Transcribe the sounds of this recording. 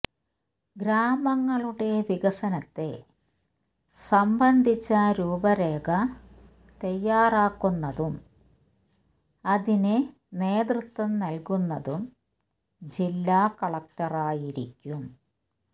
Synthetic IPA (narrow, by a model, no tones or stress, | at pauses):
ɡɾaːmɐŋːɐɭuɽe̞ʋiɡɐsɐnɐt̪ːe̞̰ | sɐmbɐnd̪ʱit͡ɕːɐɾuːbɐɾeːɡɐ | t̪ɐjːaːraːkːunːɐðum | ɐðinɨ | ne̞ːd̪rut̪wɐmnɐlkunːɐðum | d͡ʑilːaːkɐɭɐk̚ʈɐraːjiɾikʲːum